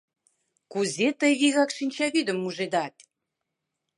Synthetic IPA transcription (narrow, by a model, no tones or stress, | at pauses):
kuzet̪əjβiɣɑkʃinʲt͡ɕɑβid̪ə̆mːuʒed̪ɑt̪ʲ